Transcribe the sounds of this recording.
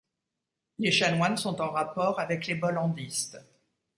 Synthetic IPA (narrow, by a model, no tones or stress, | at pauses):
leʃanwansɔ̃t̪ɑ̃ʁapɔʁavɛklebɔlɑ̃d̪ist̪